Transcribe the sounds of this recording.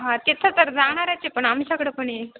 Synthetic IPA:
ɦãt̪et̪ʰət̪əɾd͡zaɽ̃aɾajt͡sepəɳamɕakɽəpəɳje

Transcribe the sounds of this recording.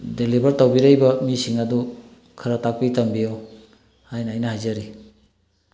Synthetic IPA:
delibɐɾtawbiɾɐjbɐmisiŋɐdu | kʰɐɾɐtak̚pitɐmbijow | hajnɐːjnɐhajzɐɾi

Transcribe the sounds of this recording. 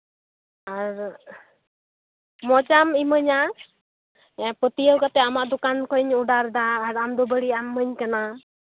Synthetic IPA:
aɾ | mɔt͡ʃamiməɲa | ɛpət̪iəwkat̪ɛamaʔd̪ukankɔjɲuɖaɾd̪aːɾamd̪ɔbəɽiamːəɲkana

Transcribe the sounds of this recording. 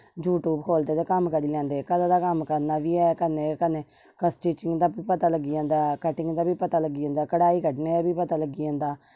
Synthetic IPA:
d͡ʒuːʈuːbkʰoːld̪eːd̪eːkəmkəɾiːlɛ̃ːnd̪eːkəd̪aːd̪aːkəmkəɾnaːʋiːɛːkənẽːkəneː | kəsʈiːt͡ʃɪŋɡd̪aːbiːpət̪aːləɡɪjãːnd̪aːkəʈɪŋɡd̪aːbiːpət̪aːləɡɪãːnd̪aːkəɽaːiːkəʈneːd̪abiːpət̪aːləɡijãːnd̪aː

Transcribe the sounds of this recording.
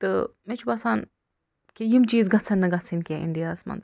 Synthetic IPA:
t̪ɨmet͡ʃʰubɐsaːn | kʲejimt͡ʃiːzɡɐt͡sʰɐnːɐɡɐt͡sʰinkʲeʔḭɳɖijaːsmɐ̰nt͡s

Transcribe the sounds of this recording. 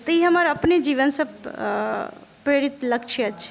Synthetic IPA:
t̪əiɦəmaɾəpned͡ʒiʋənsəb | pɾeɾit̪ləkʃʰeəʃʰe

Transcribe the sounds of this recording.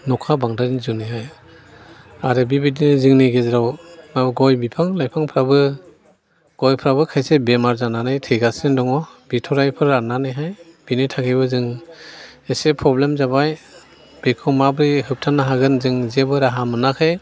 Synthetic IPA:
nɔkʰabaŋdajnizuniɦaj | aɾɯbibidinɯzɯŋniɡezɾawnabɯɡɔjbipʰaŋlajpʰaŋpʰɾabɯ | ɡ̥ɔjpʰɾabɯkʰajsebemaɾzananajtʰɯjɡasɯndɔŋɔb̥itʰɔɾajpʰɯɾananɯjɦajb̥initʰakʰebɯzɯŋ | esepʰɾɔblemzabaj | b̥ekʰɔmabɾihɯp̚tʰanaɦaɡɯnzɯŋzebɯɾaɦamɯnakʰaj

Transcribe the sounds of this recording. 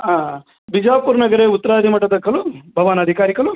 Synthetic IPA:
aː | bʱid͡ʒaːpuːɾnɐɡɐɾeːut̪ːɐɾaːd̪ʱimɐʈːɐd̪ɐkːɐlubʱɐʋaːnɐd̪ʱikaːɾikɐlu

